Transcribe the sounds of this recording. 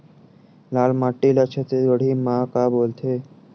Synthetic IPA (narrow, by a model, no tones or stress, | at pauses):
laːɭmaʈːilət͡ʃʰət̪ebəɽ̤imaːkaboːlt̪ʰe